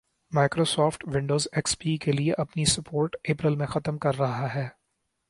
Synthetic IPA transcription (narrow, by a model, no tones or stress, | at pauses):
maːɪkɾoːsɔːfʈʋɪ̃ɳɖoːzeːkspiːkelieʔɐpnisɐpoːɾʈeːpɾɪlmẽxɐt̪əmkɐɾːɐɦaɦɛː